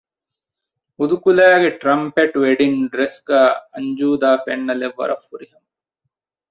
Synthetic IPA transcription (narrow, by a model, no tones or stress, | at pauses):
ud̪ukulæːɡeʈɾɐmpeʈuʋeɖinɖɾesɡæːɐɲd͡ʒuːd̪aːfenːɐleʋːɐ̰ɾɐ̰fːuɾiɦɐmɐ